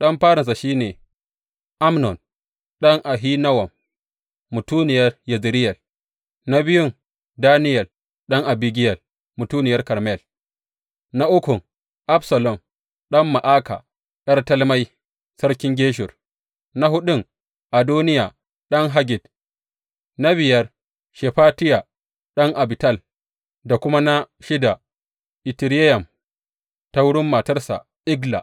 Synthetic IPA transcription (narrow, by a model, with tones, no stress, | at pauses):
ɗɐ˦mɸaː˦ɽɪ˨nsa˨ʃiː˦neː˨ | ʔa˦mnɔ˨n | ɗɐ˦ŋʔa˨ɦiː˦na˦wɐ˨mː | ʊ˨tuː˦nɪ˨jɐ˦rjɐ˨zɾɪ˦jɛ˨l | na˦bɪ˦jʊ˦ŋ | daː˦nɪ˦jɛ˨l | ɗɐ˦ŋʔa˨bi˦ɡʲɪ˦jɛ˨l | mʊ˨tuː˦nɪ˨jɐ˦rkɐ˨ɾmɛ˦˨l | na˦ʔʊ˦kʊ˨ŋ | ʔa˦bsɐ˨lɔ˨m | ɗɐ˦mːa˨ʔaː˦ka̰˨ | ɗɐ˦rtɐ˦lma˦j | sɐ˦ɾkʲɪ˦ŋɡʲeː˦ʃ̬ʊ˨r | na˦ɦʊ˦ɗʊ˦˨ŋ | ʔa˨doː˦nɪ˦ja˨ | ɗɐ˦ŋɦa˦ɡʲɪ˨d | na˦βɪ˨jɐ˦r | ʃɛ˨ɸaː˦tɪ˦ja˨ | ɗɐ˦ŋʔa˨bi˨tɐ˦˨l | da˨kʷʊ˦ma˦na˦ | ʃɪ˦da˨ | ʔɪ˨ti˨ɾɛ˦jɐ˨m | ta˦wʊ˦ɽʊ˦mːa˨tɐ˦rsa̰˨ | ʔɪ˦ɡla̰˨